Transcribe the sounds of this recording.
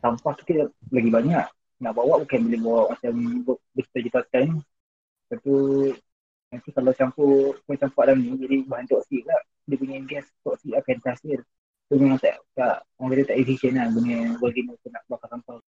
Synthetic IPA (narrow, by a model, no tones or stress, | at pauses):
sampahki̥t̪əlaɡibaɲaʔ | naʔbawaʔbukanbilɪhbawaʔmat͡ʃambʊbət̪əd͡ʒit̪at̪anni | t̪at̪u | nant̪ikalawt͡ʃampukat͡ʃampaʔlamnid͡ʒadibuɦant̪ɔʔsiʔlaʔ | dipuɲaɡɛst̪ɔʔsiʔakant̪aasɪl | t̪umemaŋt̪a̰ʔkaʔwaŋkit̪ət̪aʔifiʃənanbuɲəbəɡinupunaʔbakat̪ampah